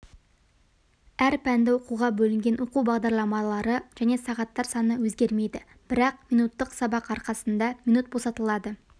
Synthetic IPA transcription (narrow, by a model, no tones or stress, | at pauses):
æɾpʰænd̪ɪwo̞quʁɑbɵlɪŋɡʲe̞nwo̞quwbɑʁd̪ɑɾlˠɑmɑlˠɑɾəʒ̥æne̞sɑʁɑt̪ːɑɾsɑnəwɵzɡʲe̞ɾme̞jd̪ɪ | b̥ɪɾɑq̚minut̪ːəqsɑbɑqɑɾqɑsənd̪ɑminut̪̚bo̞sɑt̪əlˠɑd̪ə